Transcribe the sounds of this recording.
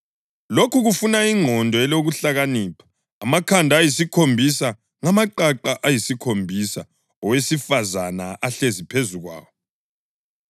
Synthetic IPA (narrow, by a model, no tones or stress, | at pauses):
lokʰuɣufunaiŋʱɔndʱɔɛloɣuɬaɣaniːpʰḁː | makʰandʱajisikʰombʱisa | ŋamaǃaǃaʔajisikʰombʱisa | ɔwesifazanaʔaɬezipʰezuɣwa̰ːwɔ